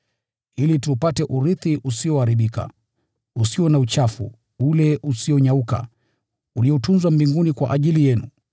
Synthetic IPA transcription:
ilitupatɛʔuɾiθiʔusiɔaɾiɓika̰ | usiwɔnaut͡ʃafṵ | ulɛʔusiɔɲauka̰ | uliɔtunzwambiŋɡunikwa̰ʔaʄilijɛnu

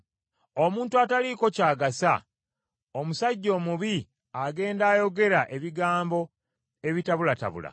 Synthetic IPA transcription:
omuːntuataliko̞caːɡasa | omusaɟːo̞ːmuβi | aɡe̞ːndaːjo̞ɡe̞ɾaʔe̞βiɡaːmbo̞ | e̞βitaβulata̰βṵla̰

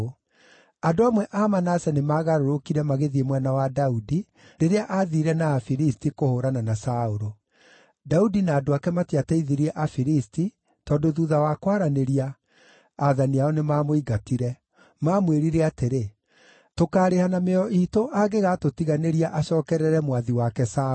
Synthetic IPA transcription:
adoamwɛʔamanasɛnemaːɣaɾoɾokiɾɛmaɣeðiemwɛnawadaudi | neɾeaʔaðiɾɛnaːfiɾistikohoːɾananasaoɾo | daudinaːdoakɛmatiataiðiɾiɛʔafiɾisti | tɔːndoðuðawakwaɾaneɾiaː | ðaniaɔnemaːmoiɡatiɾɛ | maːmweɾiɾɛateɾe | tokaːɾehanameɔʔitoʔaɡeɣatotiɣaneɾiaʔaɕɔːkɛɾɛɾɛmwaðiwakɛsa

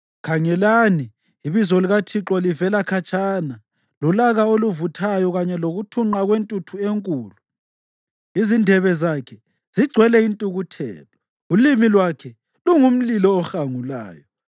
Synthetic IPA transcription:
kʰaŋɛlani | iβizɔliɣatʰiǁɔlivɛlakʰat͡ʃʼaːna | lulaɣaoluvutʰajɔɣaɲɛloɣutʰuŋ͡ǃaɣwentʼutʰueŋkʼuːlu | izindʱɛβɛzakʰɛ | z̥iɡ͡ǀʱwɛlɛintʼuɣutʰɛ̰ːlɔ | ulimilwakʰɛ | luŋum̩lilɔːxaŋula̰ːjɔ

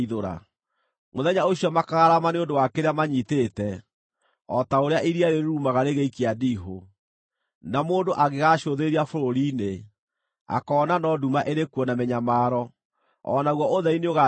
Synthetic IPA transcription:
iðoɾa̰ | moðɛɲaoɕijɔmakaɣaɾamaneondowakeɾeamaɲiteːtɛ | ɔtaoɾeaʔiɾiaɾeɾɾumaɣaɾeɣeikeadiɦo | namoːndoʔaɣeɣaɕoðeɾiafoɾoɾiːne | a̰kɔːnanɔdumaʔeɾekuɔnamɛɲamaːɾɔ | ɔ̰naɣwɔoðɛineoɣa

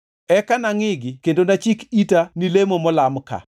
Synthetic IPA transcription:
ɛkanaŋɪɡɪkendondat͡ʃikitanilemomɔlamka̰

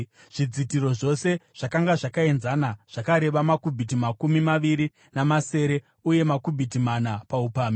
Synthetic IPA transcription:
ʐ̥id͡zitiɾo̞ʐo̞se̞ʐ̥akaŋɡaʐakae̞nzanaʐ̥akaɾe̞ʋamakubʱitimakumimaʋiɾi | namase̞ːɾe̞ | uje̞makubʱitimanapaupaːmi

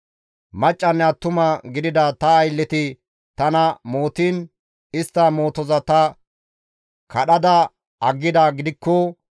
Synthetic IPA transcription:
mɐt͡ʃʼːɐnːɛɐt̪ʊmɐɡɪd̪ɪd̪ɐt̪ɐːjlːɛt̪ɪ | t̪ɐnɐmo̞ːt̪iːn | ɪst̪ːɐmo̞ːt̪ɔzɐt̪ɐ | kʰɐɗɐd̪ɐ | ɐɡːɪd̪ɐɡɪd̪ɪkːɔ

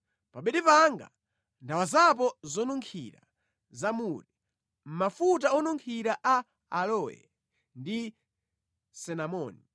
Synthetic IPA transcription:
paɓɛɗipaŋɡa̰ | ndawazap̬ɔzɔnuŋkʰḭɾa̰ | zamuɾi | m̩mafutaɔnuŋkʰiɾaʔa | alɔɛ̰ | ndi | sɛnamɔːni

